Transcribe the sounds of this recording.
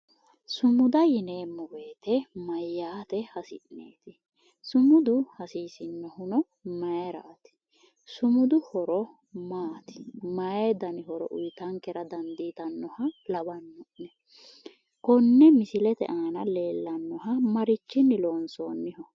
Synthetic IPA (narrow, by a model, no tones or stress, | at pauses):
sʊmʊd̪ɐjɪneːmːɔwe̞ːt̪ɛmɐjːaːt̪ɛhɐsɪʔnḛːt̪ɪ | sʊmʊd̪ʊhɐsiːsɪnːɔhʊnɔ | mɐjɛɾa̰ːt̪ɪ̥ | sʊmʊd̪ʊhɔɾɔ | maːt̪ɪ̥mɐjed̪ɐnɪhɔɾɔ̰ʔʊjt̪ɐŋkɛɾɐd̪ɐnd̪iːt̪ɐnːɔhɐlɐbɐnːɔʔnɛ | kɔnːɛmɪsɪlɛt̪ɛ̰ʔaːnɐle̞ːlːɐnːɔɦɐmɐɾɪt͡ʃːɪnːɪloːnso̰ːnːɪhɔ